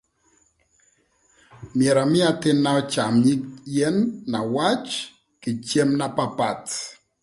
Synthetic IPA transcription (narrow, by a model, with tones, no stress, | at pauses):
mjɛ˨ɾa˨mɪ˦a˨tɪ˦nːa˦ɔ˦t͡ʃa˨mɲi˦kjɛ˦nːa˨wa˦t͡ʃ | kɪ˨t͡ʃe˦mna˦pa˦˨pa˨t